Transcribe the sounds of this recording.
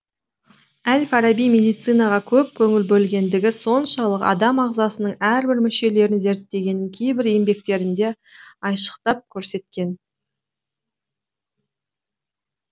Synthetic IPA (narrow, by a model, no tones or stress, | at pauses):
ælfɑɾɑbijmʲe̞d̪ijt̪sɨjnɑʁɑkʲʰɵp̚kʲʰɵŋɪlbɵlɡʲe̞nd̪ɪɡʲɪso̞nʃɑlˠəqɑ̰d̪ɑmɑʁzɑsənəɴæɾbɪɾmɪʃe̞le̞ɾɪnze̞ɾt̪ːe̞ɡʲe̞nɪŋkʲʰe̞jbɪɾe̞mbe̞k̚t̪e̞ɾɪnd̪e̞ɑjʃə̥qt̪ɑp̚kʲʰɵɾse̞t̪̚kʲe̞n